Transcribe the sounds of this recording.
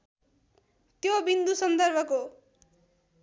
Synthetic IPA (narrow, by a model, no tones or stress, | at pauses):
t̪jobind̪usʌnd̪ʌrbʱʌko